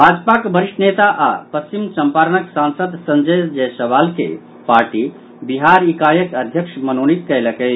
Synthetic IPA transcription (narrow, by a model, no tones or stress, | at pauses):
bʱaːd͡ʒpakbʱəɾiʂʈnet̪aʔa̰pəst͡ʃimsəmpaːɾnəksãnsəd̪sənd͡ʒeːd͡ʒɛjsəʋaːlkḛ | paɾʈi | biɦaɾikaːjəkəd̪ʱjəkʂmənonit̪̚kəjləkəj